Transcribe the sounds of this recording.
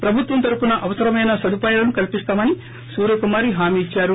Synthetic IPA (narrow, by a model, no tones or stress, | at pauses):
pɾɐbʱut̪ʋɐmt̪ɐɾupunɐʔɐʋɐsɐɾɐmɐjnɐsɐd̪ʱupaːjaːlɐnukɐlipist̪aːmɐni | suːɾɐkumaːɾiɦaːmiːt͡ʃːaːɾu